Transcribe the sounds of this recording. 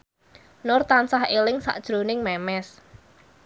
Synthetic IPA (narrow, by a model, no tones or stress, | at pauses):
nʊrt̪ansahelɪŋsa̰ʔd̥ʒ̥ɾo̤nɪŋmɛmɛs